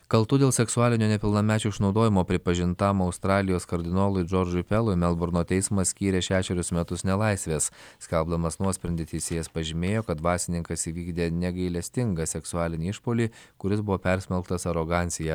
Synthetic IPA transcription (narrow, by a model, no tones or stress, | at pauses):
kɐlˠt̪ʊd̪ʲeːlˠsʲɛksʊɑːlʲɪnʲuːnʲɛpʲɪlˠnɐmʲæːt͡ʃʲʊɪʃnɒʊd̪oːjɪmoːpʲɾʲɪpɐʒʲɪnt̪ɑmɐʊst̪ɾɑːlʲɪjoːskɐɾʲd̪ʲɪnoːlˠʊɪd͡ʒɔɾd͡ʒʊɪpʲɛlˠʊɪmʲɛlˠbʊɾnoːt̪ʲɛɪsmɐssʲkʲiːɾʲeʃʲæːʃʲɛɾʲʊsmʲɛt̪ʊsnʲɛlˠɐɪsʲʋʲeːssʲkʲɛlˠbd̪ɐmɐsnuɔsʲpʲɾʲɛnʲd̪ʲɪt̪ʲisʲeːjɛspɐʒʲɪmʲeːjoːkɐt̪ʋɑːsʲɪnʲɪŋkɐsiʋʲiːɡd̪ʲeːnʲɛɡɐɪlʲɛsʲt̪ʲɪŋɡɑsʲɛksʊɑːlʲɪnʲiːɪʃpoːlʲiːkʊɾʲɪsbʊʋoːpʲɛɾʲsʲmʲɛlˠkt̪ɐsɐɾoɡɑːnʲsʲɪjɛ